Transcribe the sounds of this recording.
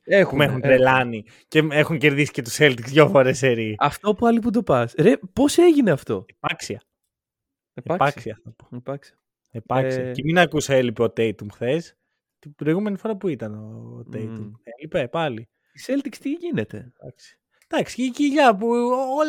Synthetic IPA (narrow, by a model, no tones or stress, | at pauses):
exumexunɾelɐni | ce̞exuŋce̞ɾðisi̥cet̪u̥se̞lt̪ikzðʝofoɾeseɾiɐft̪opuɐlipud̪opɐsɾepo̞se̞ʝine̞ɐft̪o̞̰epɐksiɐ | eeɐpɐsiɐθɐpo̥pɐksiɐ | epɐksɐeminɐkusoelipeot̪ejt̪umxθe̞s | t̪ibɾo̞iɣume̞nifo̞ɾɐpuit̪ɐnot̪ejt̪umelipepɐli | iselt̪ikst̪iʝine̞t̪e̞̰d̪ɐksi̥ | d̪̥ɐksi̥ceciʎɐpuol